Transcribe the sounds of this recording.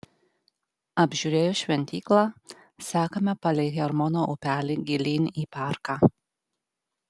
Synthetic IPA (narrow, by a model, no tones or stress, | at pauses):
ɐbʲʒʲuɾʲeːjʊʃʲʋʲɛnʲt̪ʲiːklˠɑː | sɑːkɐmʲɛpɐlʲɛkʲɛɐɾmɔnoʔʊpʲæːlʲɪɡʲɪlʲiːnʲiːpɑːˑɾkɑː